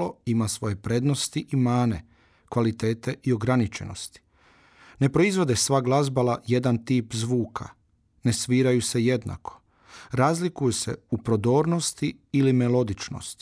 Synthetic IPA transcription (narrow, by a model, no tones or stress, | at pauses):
oimasʋo̞je̞pɾe̞d̪no̞st̪iʔimaːne̞̰ | kʋalit̪e̞ːt̪e̞ʔio̞ɡɾanit͡ʃe̞̰no̞̰st̪i̥ | ne̞pɾo̞izʋo̞d̪e̞sʋaːɡlˠazbalaje̞d̪ant̪iːpzʋuːkʰa̰ | ne̞sʋiːɾajuse̞je̞d̪na̰kʰo̥ | ɾaːzlikujuse̞̰upɾo̞d̪o̞ːɾno̞st̪iːlimelo̞d̪it͡ʃno̞̰st̪i̥